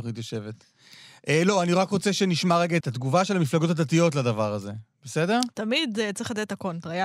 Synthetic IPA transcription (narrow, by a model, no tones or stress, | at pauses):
χit̪joʃe̞vet | ʔelo̞aniʁakʁot͡se̞ʃeniʃmaʁeɡet̪at̪ɡuvaʃelamiflaɡo̞tadatijo̞t̬ladavaʁaze̞b̥ese̞de̞ʁt̪amidt͡sʁiχlad̪tetakont̪aja